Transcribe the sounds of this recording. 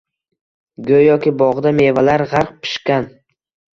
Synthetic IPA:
ɡʲɵjɒkʲɪbɒʁd̪ame̞valaɾʁaɾq̚pʰɪ̥ʃkʲan

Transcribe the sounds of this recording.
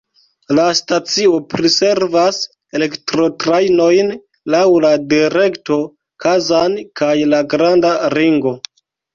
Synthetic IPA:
lastat͡sio̞pɾise̞ɾvas | ele̞ktɾo̞tɾajno̞jn | lawladiɾe̞kto̞ | kʰazankajlaɡɾandaɾiŋɡo̞

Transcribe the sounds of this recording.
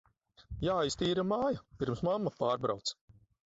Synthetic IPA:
jaːjst̪iːɾamaːjapʲiɾmsmamːapaːɾbɾa̰wt̪s

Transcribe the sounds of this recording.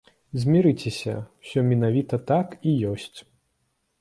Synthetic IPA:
zʲmʲiɾɨt͡sʲesʲɐ̰wsʲɔmʲinavʲit̪ɐt̪akijɔsʲt͡sʲ

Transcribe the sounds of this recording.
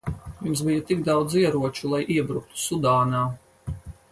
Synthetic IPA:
jimsbijɐt̪iɡd̪ɑwd̪ziɛɾuɔt͡ʃulˠajʔiɛbɾuk̚t̪u̥sud̪aːnaː

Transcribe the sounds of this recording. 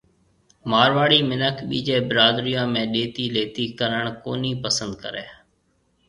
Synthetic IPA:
maːɾʋaːɽiːmɪnəkʰɓiːd͡ʒeːbɪɾaːd̪ɾijãːmẽːɗeːt̪iːleːt̪iːkəɾəɳ̃koːniːpəsənd̪̚kə̰ɾeː

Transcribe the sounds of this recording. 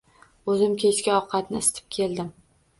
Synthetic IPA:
ɵzɪmkʲʰe̞t͡ʃkʲaɒwqʰɑt̪nɪɪst̪ʰɪ̥p̚kʲʰe̞ld̪ɪm

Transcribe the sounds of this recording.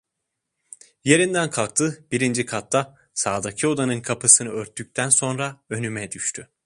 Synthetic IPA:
je̞ɾind̪ænkʰalˠk̚t̪ʰɯb̥iɾind͡ʒikʰat̪ːa | saːd̪acʰio̞d̪anɯnkʰapʰɯsɯnɯøɾt̪ʰːyc̚ʲt̪ʰænso̞nɾaø̞nymɛd̪yʃt̪ʰy

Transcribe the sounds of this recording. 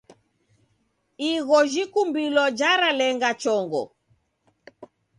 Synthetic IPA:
iɣɔʒikumbilɔd͡ʒaɾalɛŋɡat͡ʃɔŋɡɔ̰

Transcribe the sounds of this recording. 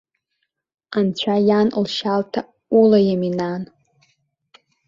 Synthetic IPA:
ant͡ɕʷʰajanlʃaltʰa | ulajaminan

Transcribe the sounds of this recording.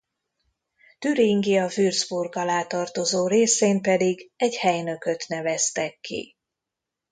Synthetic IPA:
t̪yɾiŋɡiɒvyrzburɡɒlaːt̪ɒrt̪o̞zoːɾeːseːmpɛd̪iɡɛɟhɛjnø̞kø̞t̪nɛvɛst̪ɛkʰːḭ

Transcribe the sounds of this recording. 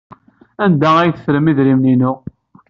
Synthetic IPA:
ænd̪ææjθfɾəmiðɾimninʊʁ

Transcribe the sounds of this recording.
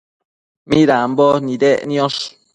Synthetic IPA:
mĩɾambɔnĩdɛʔniɔs

